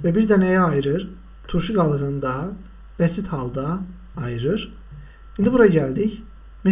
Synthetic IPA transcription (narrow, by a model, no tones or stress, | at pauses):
vɛbiɾd̪ænɛjɛɑjɯɾɯɾ | t̪ʰuɾʃɯɡɑlˠɣɯnɯd̪ɑɦ | b̥ɛsit̪hɑlˠd̪aː | jɯɾɯɾ | hind̪ibuɾaɟælʲd̪ic | mi